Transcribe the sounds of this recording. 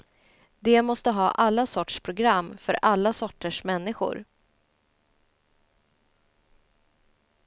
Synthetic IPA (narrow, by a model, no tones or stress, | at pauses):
d̪ɛmɔst̪əɦɑːʔalːasɔʈʂpʰɾʊɡɾamːfœɾʔalːasɔʈːəʂmɛnːɪɧʊ̰ɾ